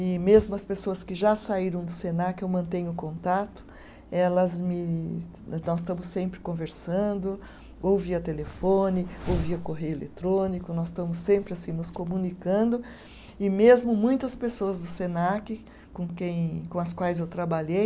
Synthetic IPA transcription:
ɪmezmʊɐspesoɐskɪʒasaiɾɐ̃w̃d̪ʊsenakɪewmɐ̃nt̪ẽɲʊkõnt̪at̪ʊ̥ | ɛlɐzmɪ | nɔsst̪ɐ̃mʊsẽmpɾɪkõveɾsɐ̃nd̪ʊ | owviɐt̪elefõnɪowviɐkoɦejʊelḛt̪ɾõnikʊnɔsst̪ɐ̃mʊsẽmpɾɪasĩnʊskomũnikɐ̃nd̪ʊ | ɪmezmʊmũj̃t̪ɐspesoɐzd̪ʊsenakɪ | kõkẽj̃kõɐskwajzewt̪ɾabaʎej

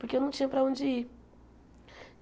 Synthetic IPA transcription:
poɾkewnɐ̃w̃t͡ʃĩɲɐpɾɐõd͡ʒɪi

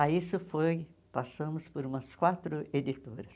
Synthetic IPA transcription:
aisʊfojpasɐ̃mʊspoɾũmɐskwat̪ɾʊed̪it̪oɾɐs

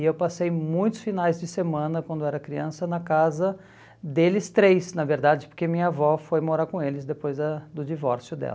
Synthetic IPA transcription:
ewpasejmũj̃t̪ʊ̥sfinajzd͡ʒɪsemɐ̃nɐkwɐ̃nd̪ʊɛɾɐkɾiɐ̃sɐnɐkazɐ | d̪elɪst̪ɾejsnɐveɾd̪ad͡ʒɪpoɾkemĩɲɐavɔfojmoɾaɾkõelɪzd̪epojzd̪ɐd̪ʊd͡ʒivɔɾsjʊd̪ɛ̰lɐ

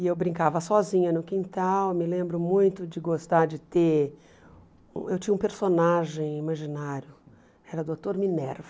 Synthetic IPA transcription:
ɪewbɾĩŋkavɐsɔzĩɲɐnʊkĩnt̪awmɪlẽmbɾʊmũj̃t̪ʊd͡ʒɪɡost̪aɾd͡ʒɪt̪e | ṵ̃ewt͡ʃĩɐũpeɾsonaʒẽj̃imaʒinaɾjʊ | ɛɾɐd̪ot̪oɾminɛɾv

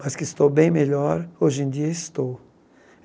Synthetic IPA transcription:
mɐskɪst̪owbẽj̃meʎɔɾoʒẽnd̪iɐɪst̪o

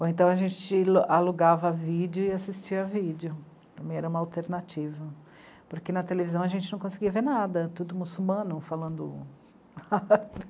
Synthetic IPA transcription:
oẽt̪ɐ̃w̃ɐʒẽt͡ʃɪlʔaluɡavɐvid͡ʒjʊɪasist͡ʃiɐvid͡ʒɪʊ | pɾɐ̃mẽj̃ɛɾɐũmɐawt̪eɾnat͡ʃivɐ | poɾkenɐt̪elevizɐ̃w̃ɐʒẽnt͡ʃɪnɐ̃w̃kõsɪɡiɐveɾnad̪ɐt̪ud̪ʊmusulmɐ̃nʊfalɐ̃nd̪ʊ̰ | a

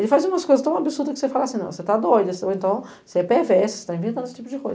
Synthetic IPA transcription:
elɪfajzũmɐskojzɐst̪ɐ̃w̃abɪsuɾd̪ɐkɪ̥sefalasĩnɐ̃w̃set̪ad̪ojd̪ɐso̰ẽnt̪ɐ̃w̃ | seɛpɛvɛɛsɪse̥t̪aĩvẽnt̪ɐ̃d̪esɪt͡ʃipʊd͡ʒɪkojz

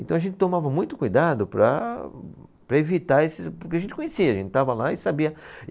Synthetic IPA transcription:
ẽnt̪ɐ̃w̃ɐʒẽnt̪ɪ̥t̪omavɐmũj̃t̪ʊ̥kujd̪ad̪ʊpɾɐ̰ | pɾɐevit̪aesɪpoɾkeɐʒẽnɪ̥kõɲesiɐʒẽntɪt̪avɐlaɪsabiɐ

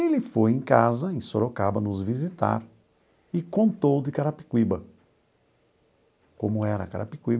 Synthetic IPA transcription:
elɪfojẽj̃kazɐẽsoɾokabɐnʊzvizit̪a̰ɾ | ɪkõnt̪owd̪ɪkaɾapi̥kwibɐ | kõmʊɛɾɐ̰kaɾa̰pikwib

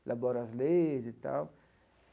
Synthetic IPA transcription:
lʔabɔɾazlezet̪a̰w

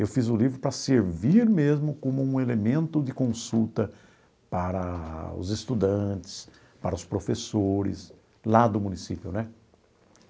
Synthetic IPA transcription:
ewfizʊlivɾʊpɾɐseɾviɾmezmʊkõmʊũelemẽnt̪ʊd̪ɪkõsut̪ɐ | paɾɐʊ̰zest̪ud̪ɐ̃t̪ɪ̥s | paɾɐʊspɾofesoɾɪ̰s | lad̪ʊmũnisipjʊnɛ

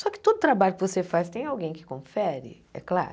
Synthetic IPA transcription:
sɔkɪ̥t̪od̪ʊt̪ɾabaʎʊkɪvosefast̪ẽj̃awɡẽj̃kɪ̥kõfɛɾɪ̰ | ɛ̰kla̰ɾ

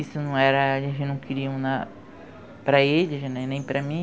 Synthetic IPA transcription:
isʊnɐ̃w̃ɛɾɐẽɪnɐ̃w̃kɪɾiɐ̃na | pɾɐelɪʒanɛnẽj̃pɾɐmĩ

